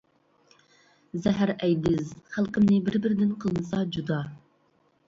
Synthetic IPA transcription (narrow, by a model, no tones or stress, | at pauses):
zɛɦæɾɛjd̪ɪzχælˠqəmnɪbɪɾbɪɾɪd̪ɪnqʰəlˠɨnɨsɑd͡ʒud̪ɑ